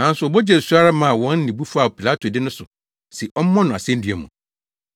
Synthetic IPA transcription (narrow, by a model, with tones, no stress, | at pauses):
nã˦n̩˦sʊ˨ɔ˨bɔ˦d͡ʑɛ˦˨su˦a˦ɾa˦mã˨wɔ̃˦n̩˦nĩ˨bu˦fu˦a˨pʰi˨la˦tʰo˨dɪ˦nʊ̃˦sʊ˨ | si˨ʔɔ˦m̩˦mɔ̃˦nʊ̃˨a̰˨sɛ̃˦n̩˦dɥɛ˨mṵ̃˨